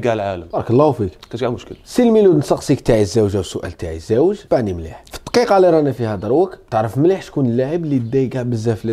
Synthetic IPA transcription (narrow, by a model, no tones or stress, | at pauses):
ɡaʕlʕaləmbɑɾˤɑkəlˤːɑhwfikkæt̪ɡamʊʃkə̰lsilmilud̪ənsɑqsˤikt̪aʕizːæwʒawsʊʔæ̰lt̪aʕizːæwʒb̥aʕnimlḭħfi̥t̪ˤːqiqɑliɾˤɑnæfihæd̪əɾˤwək̪t̪əʕɾəfmliħt̪kunəlːaʕəblid̪ːæjɡaʕbəzːæfli